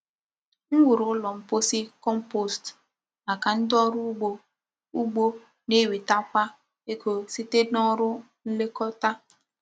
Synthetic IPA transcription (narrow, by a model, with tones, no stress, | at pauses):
ŋ̩˦wu˨ɾʊ˨˦lɔ˨m̩˨po˦si˦kɔ˦m˦po˨st | a˨ka˨n̩˦dɔ˦ɾʊ˦o˨ | u˦ɡ͡bo˦ | ne˦wi˨ta˦kʷa˦ | e˦ko˨si˦te˦dɔ˦ɾʊ˦ | n̩˦le˦kɔ˦ta˦